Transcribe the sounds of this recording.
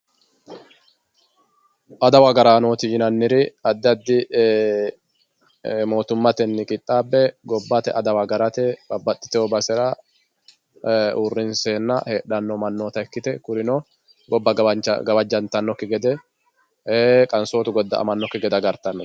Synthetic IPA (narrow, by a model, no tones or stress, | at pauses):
ʔɐd̪ɐwɐɡɐɾaːnoːt̪ɪd͡ʒɪnɐnːɪɾɪɐd̪ːɐd̪ːɪ | mo̞ːt̪ʊmːɐt̪ɛnːɪkʼɪt̪ʼːaːbːɛɡɔbːɐt̪ɛ̰ʔɐd̪ɐwɐɡɐɾɐt̪ɛbɐbːɐt̪ːɪ̥t̪ɛɔbɐsɛɾɐ | urːɪnseːnːɐ̰heːᶑɐnːɔmɐnːoːt̪ɐɛkːɪt̪ɛkʊɾɪnɔ | ɡɔbːɐt͡ʃɡɐbɐd͡ʒɐnt̪ɐnːɔkːɪɡɛd̪ɛ | eːkʼɐnsoːt̪ʊɡɔd̪ːɐ̰ʔɐ̰mɐnːɔkːɪɡɛd̪ɐɡɐɾt̪ɐnːɔ